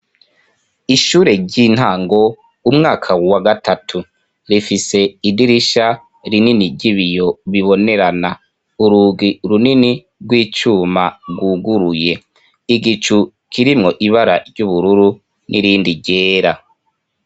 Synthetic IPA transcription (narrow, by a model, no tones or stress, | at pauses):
iʃuːɾe̞ɟin̥haːŋɡo̞ | umŋaːkʰawaɡatatʰu | ɾifise̞idiɾiʃa | ɾininiɾɟiβijo̞βiβo̞ne̞ɾana | uɾuːɡiɾunini | ɾɡwiːt͡ʃuːmaɡwuɡuɾuje̞ | iɡit͡ʃu | kʰiɾimŋo̞ʔiβaɾaɾɟuβuɾuɾu | nʔḭɾiːndiɟeːɾa